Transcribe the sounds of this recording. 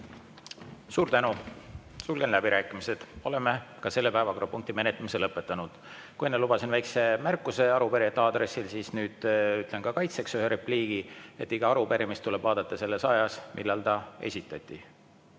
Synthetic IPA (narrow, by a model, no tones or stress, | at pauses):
suːɾt̪ænusulɡ̥enlæbiɾæːkːˑimise̞d̪̥o̞le̞mekɑse̞lːe̞pæːvɑko̞ɾɑpuŋkt̪ime̞net̪ːˑɑmise̞lɤpːˑet̪ːˑɑnud̪̥ | kujenːelubɑsinvæjkse̞mærkːˑuse̞ɑɾupeɾiɑt̪ːɑːd̪ɾe̞sːilsiːsnyːd̪̥yt̪ˑle̞nkɑkɑjt̪seksyheɾepliːɡ̥ie̞t̪ːiɡ̥ɑɑɾupeɾimist̪ule̞b̥vɑːd̪̥ɑt̪ːˑɑse̞lːe̞sɑjɑsmʔilːɑlt̪ɑe̞̰sʲit̪ːˑɑt̪ʲːˑi